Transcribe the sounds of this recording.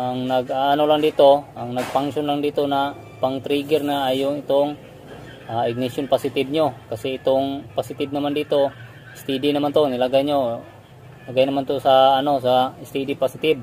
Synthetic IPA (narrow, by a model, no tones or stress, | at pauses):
ʔaŋnɐɡʔaʔanolaŋd̪iːt̪oʔɐŋnɐɡ̚paŋʃonlaŋd̪iːt̪ona | paŋt̪ɾiɡɛɾnaajʊŋɪt̪oŋ | ʔaɪɡ̚nɪsjonpasɪt̪ɪb̚ɲokɐsɛɪt̪oŋpasɪt̪ɪb̚nɐmand̪iːt̪o | ɪst̪id̪ɪnɐmant̪onɪlaɡajɲo | lɐɡajnɐmant̪osɐːno̞sast̪id̪ɪpasɪt̪ɪb̚